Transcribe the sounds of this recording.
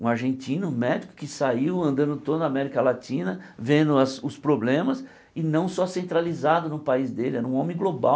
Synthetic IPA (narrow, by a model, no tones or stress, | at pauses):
ũaɾʒẽntĩnʊ̃mɛd͡ʒikʊ̥kɪsaiwɐ̃nd̪ɐ̃nd̪ʊt̪od̪ʊd̪amɛɾikɐlatĩnɐvẽnd̪ʊɐsʊspɾoblẽmɐs | ɪnɐ̃w̃sɔsẽnt̪ɾalizad̪ʊnʊpaizd̪elɪɛɾɐũõmẽɡloba̰